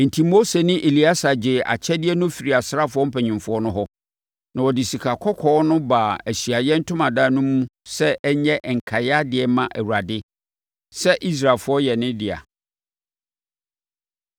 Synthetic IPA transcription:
n̩˨tʰi˦mo˦se˨nɪ̃˦ʔe˨li˦a˦sa˨d͡ʑɪ˨a̰˨t͡ɕʰɛ˦dɪ˦ɛ˦nʊ̃˦fi˨ɾi˨a˨sɾa˦fʊ˦ɔ˦m̩˦pʰɛ˨ɲɪ̃˨mfʊ˦ɔ˦nʊ̃˦ɦɔ˦ | nã˨wɔ˨dɪ˨si˨kʰa˨kʰɔ˦kʰɔː˦nʊ̃˦baː˨æ˨ɕi˨a˨jɛ˦n̩˦tʰʊ̃˦mã˨daː˦nũ˦mũ˦sɛ˦ʔɛ˦ɲɛ̃˦ʔŋ̩˨kʰa˨ja˦dɪ˨ɛ˦mã˨ʔæ˨wu˨ɾa˨dɪ˦ | sɛ˦ʔi˦s̬ɾa˨fʊ˦ɔ˦jɛ˨nɪ̃˦dɪ˨a̰˨

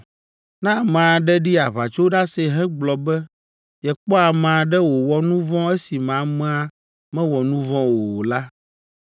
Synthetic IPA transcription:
nã˦˨mã˨a˨ɖɛ˦ɖi˦a˨βa˨t͡ʃo˦ɖa˦se˦ɦɛ̃˦ɡ͡blɔ˨bɛ˦ | jɛ˨k͡pɔ˦a˨mã˨ɖɛ˦wo˨wɔ˦nũ˦vɔ̃˦ɛ˦si˨mã˨mɛ̃˦a˦ | mɛ̃˦wɔ˨nũ˦vɔ̃˦wo˨wo˨la˦

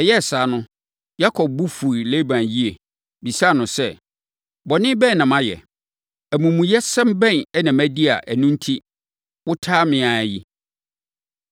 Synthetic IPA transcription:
ɛ˨jɛ˦˨saː˨˦nʊ̃˦ | ja˦kʰɔ˨b̚bu˦fu˨i˨le˦bã˨nji˦e˨ | bi˨sa˦˨nʊ̃˨sɛ˦ | bɔ˨nɪ̃˦bɛ̃˦˨nã˨mã˦jɛ̰˨ | æ˨mũ˨mũ˨jɛ˦sɛ̃˦m˦bɛ̃˦˨nɛ˦nã˨mæ˦di˦a˨ʔæ˨nũ˦n̩˦tʰi˦ | wʊ˦tʰaː˦mɪ̃˨a˨æ˨ji˦

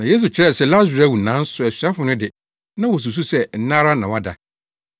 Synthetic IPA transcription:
nã˨je˦s̬u˨t͡ɕʰɪ˦ɾɛ˦˨sɛ˦˨la˦zɾa˦˨wu˨nã˨˦n̩˦sʊ˨æ˨sɥa˦fʊ˨nʊ̃˦dɪ˨ | nã˦wɔ˨s̬u˨s̬u˦sɛ˦n̩˦nã˦ɾa˦nã˨wa˦da˨

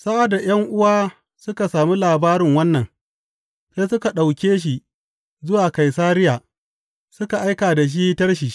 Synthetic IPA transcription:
sa˦ʔa˨da˨j̰ɐ˦ŋʔʊ˦waː˦ | sʊ˦ka˨saː˨mi˦laː˨baː˦ɾɪ˨ŋwɐ˦nːɐ˨ŋ | sa˦sʊ˦ka˨ɗa˨wkʲeː˦ʃ̬i˦˨ | zʊ˦waː˨ka˨jsaː˦ɾɪ˦jaː˨ | sʊ˦ka˨ʔa˦jkaː˨da˨ʃ̬i˦tɐ˦rʃ̬i˨˦

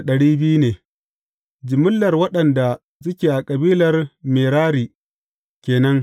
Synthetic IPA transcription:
ɗɐ˨ɽiː˦bɪ˦ju˦neː˨ | d͡ʒɪ˨mʊ˦lːɐ˨rwɐ˦ɗɐ˨nda˨ | s̬ʊ˦kʲeː˨ʔa˨kʼɐ˨biː˦lɐ˨rmeː˨ɾaː˦ɾiː˨ | kʲeː˨nɐ˦ŋ

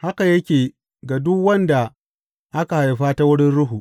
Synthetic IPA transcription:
ha˦ka˨jɐ˦kʲeː˨ | ɡa˨dʊ˦kwɐ˦nda˨ | ʔa˦ka˨ha˨jɸaː˦ta˦wʊ˦ɽɪ˦nɽʊ˦ɦu˨ʔ

